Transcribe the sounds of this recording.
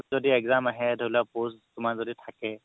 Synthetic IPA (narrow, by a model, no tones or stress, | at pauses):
zɔdieɡzamaɦɛdʱolapostʊmazɔdit̪ʰakɛ